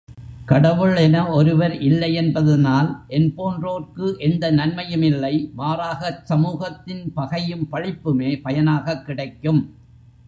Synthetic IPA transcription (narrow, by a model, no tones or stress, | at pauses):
kɐɽɐʋɯɭɛnɐɔɾɯʋɐɾʔɪlːɐɪɛnbɐðɐnaːlʔɛnpoːndroːrkɯʔɛnd̪ɐnɐnmɐjɯmɪlːɐɪʋaːɾaːɣɐsɐmuːɣɐt̪ːɪnpɐɣɐjɯmpɐɻɪpːɯmeːpɐjɐnaːɣɐkːɪɽɐɪkːɯm